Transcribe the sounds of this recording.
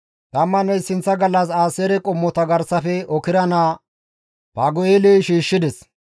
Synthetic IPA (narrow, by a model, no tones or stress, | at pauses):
t̪ʼɐmːɐnɐjsɪnt͡sːɐɡɐlːɐsaːseːɾɛkʼɔmːɔt̪ɐɡɐɾsɐfɛɔkɪɾɐnaː | b̥aːɡɔjeleːʃiːʃːɪd̪ɛs